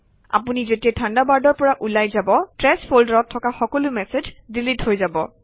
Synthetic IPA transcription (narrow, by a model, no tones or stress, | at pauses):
a̰punizetiatʰandabaɹdɔɹpɔɹaʔulajzabɔtɹɛspʰoldaɹɔtʰːɔkaxɔkɔlʊmɛsezdilithojzabɔ